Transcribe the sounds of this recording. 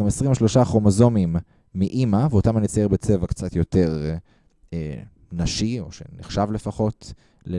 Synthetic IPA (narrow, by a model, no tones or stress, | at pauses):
mesʁimvoʃlo̞ʃaχomozo̞mimː | iʔimaveo̞tamanit͡sajeʁbet͡sevakt͡satjo̞te̞ʁ | e | naʃio̞ʃḛniχʃavle̞faχo̞t | le